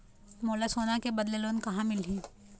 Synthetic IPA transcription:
moːlasoːnakebɐd̪leloːnkɐɦãmɪlɦĩː

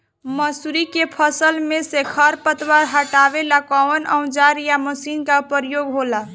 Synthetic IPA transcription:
məsuɾikepʰəsəlmesekʰəɾpət̪waɾɦəʈabelakɔənə̰̃w̃d͡ʒaɾjaməsinkaupəɾjoɡɦola

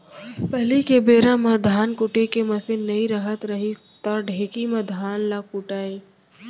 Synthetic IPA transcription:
pɐlikebeːɾãmɐ̃d̪ʱaːnkʊʈekemɐsɪnnɐĩɾɐɦət̪ɾɐɦit̪ɐɖʱeːkimɐ̃d̪ʱaːnlakʊʈaːi

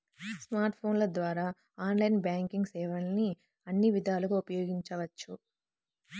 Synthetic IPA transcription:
smaːɾʈpʰo̞ːnlɐd̪ʋaːɾaː | aːnlɐjnbjaːŋkiŋɡsɛːʋɐnni | ɐnːiʋid̪ʱaːluɡɐupɐjoːɡiɲt͡ʃɐʋɐt͡ʃːu

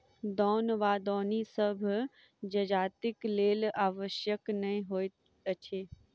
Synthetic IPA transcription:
d̪ɔːnʋaːd̪ɔːnisəbʱ | d͡ʒɐd͡ʒaːt̪ɪkleːlaːʋəʃjəknɐɦĩɦoːe | ət͡ʃʰeː

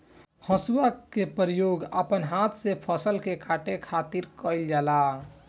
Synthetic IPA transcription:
həsuakepɾijoɡə̰pənɦat̪ʰsepʰəsəlkekʰaʈekʰat̪iɾkəɪld͡ʒala

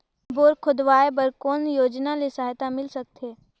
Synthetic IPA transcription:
boːɾkʰʊd̪ʋaːebəɾkoːnjoːd͡ʒnalesaːɦt̪amɪlsɐk̚t̪eː

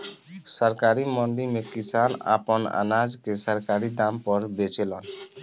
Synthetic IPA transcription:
sɔɾkaɾimɔnɖimekisana̰pɔna̰nad͡ʒkesɔɾkaɾid̪ampɔɾbet͡ʃelɔn

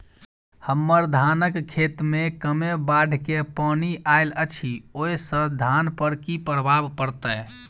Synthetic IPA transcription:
həmːəɾd̪ʱanəkkʰːet̪mekəmebaɖʱkepaniʔaɪlət͡ʃʰioːisə̃d̪ʱanpəɾkipɾəbʱabpəɾt̪ə

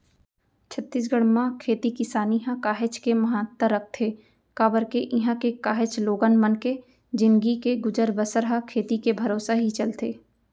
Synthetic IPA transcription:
t͡ʃʰət̪ːiːs̬ɡəɽ̃mãkʰeːt̪ikɪsaːniɦãkaːɦɪt͡ʃkemɐɦãːt̪ːəɾɐk̚ʰt̪ʰe | kaːbəɾkeʔɪɦãkekaːɦɪt͡ʃloːɡənmənke | d͡ʒɪ̃nɡikeɡʊd͡ʒəɾbəsəɾɦãkʰeːt̪ikebʱɐɾoːsaɦit͡ʃɐlt̪ʰeː

